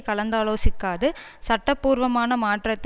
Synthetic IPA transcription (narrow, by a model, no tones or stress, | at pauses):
kɐɭɐnd̪aːloːsɪkːaːðɯ | sɐʈːɐpːuːɾʋɐmaːnɐmaːʈrɐt̪ː